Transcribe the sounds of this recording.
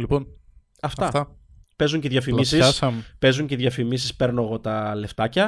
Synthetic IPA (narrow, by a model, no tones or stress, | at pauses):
lipon | ɐft̪ɐft̪ɐ | pe̞zuɲceðʝɐfimisissɐmpe̞zuɲceðʝɐfimisispe̞ɾno̞eɣo̞t̪ɐle̞ft̪ɐcɐ